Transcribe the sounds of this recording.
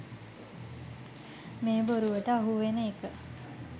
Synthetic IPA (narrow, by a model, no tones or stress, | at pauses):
meːboɾuʋəʈəaɦuʋenəekə